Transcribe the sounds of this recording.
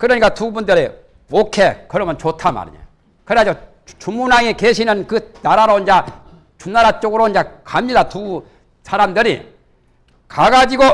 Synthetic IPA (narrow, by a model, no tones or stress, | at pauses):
kɯɾʌɲik͈atubundɯɾe | mokʰe̞kɯɾʌmjʌnt͡ɕotʰama̰ɾḭɲo | kɯɾead͡ʑo | t͡ɕumunaŋekeɕʰinɯnkɯnaɾaɾoind͡ʑa | t͡ɕunːaɾat͡ɕ͈oɡɯɾoind͡ʑakamɲidatu | sʰaɾamdɯɾḭ | kaɡad͡ʑiɡo